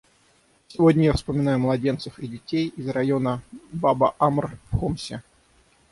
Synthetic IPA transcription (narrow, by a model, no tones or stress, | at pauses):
sʲɪvodʲnʲəjafspəmʲɪn̪ajʊmlˠɐdʲe̞nt̪səfɪdʲɪtʲejɪzrɐjo̞nəbabəʔamrxomsʲɪ